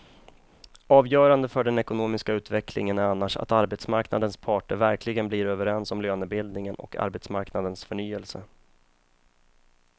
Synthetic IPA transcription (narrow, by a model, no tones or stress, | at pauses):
ʔɑːvjœːɾand̪əfœɖɛnɛkʊnoːmɪskaʉ̟ːt̪vɛklɪ̰ŋənæɾanːaʂa̰t̪aɾbɛt̪smaɾknad̪ənspʰɑːʈəɾvæɾklɪɡənbliɾøːvəɾɛnsɔmløːnəbɪld̪nɪŋənɔ̰kʰa̰ɾbɛt̪smaɾknad̪ənsfœɳyːɛlsə̰